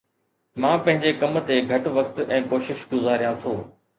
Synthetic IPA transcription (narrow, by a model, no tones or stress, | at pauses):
mãːpɐ̃ɦɪ̃ɲd͡ʑekɐm̆t̪eɡʱɐʈʋɐkt̪ɛ̃ːkoːʃɪʃɡʊzaːɾijãt̪ʰoː